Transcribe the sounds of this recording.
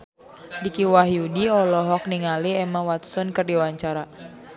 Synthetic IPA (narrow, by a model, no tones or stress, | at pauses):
dikiwaɦjudiɔlɔɦɔk̚niŋaliɛmawat̪sɔnkɨrdiwaɲt͡ʃaɾa